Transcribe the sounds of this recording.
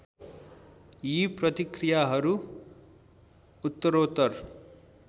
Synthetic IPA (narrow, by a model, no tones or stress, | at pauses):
jiprʌt̪ikrijaɦʌɾu | ut̪ːʌɾot̪ːʌr